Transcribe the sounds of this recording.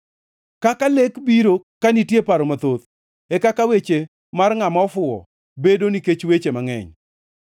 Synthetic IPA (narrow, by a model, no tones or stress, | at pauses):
kakalekbiɾokanitjepaɾɔmat̪ot̪ | ɛkakawet͡ʃe | marŋamaɔfʊɔ̰ | bedoniket͡ʃwet͡ʃemaŋɛ̰ɲ